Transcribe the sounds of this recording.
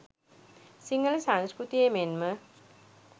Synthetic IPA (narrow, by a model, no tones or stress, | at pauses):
siŋɡəlsaŋskɾut̪ijemenmə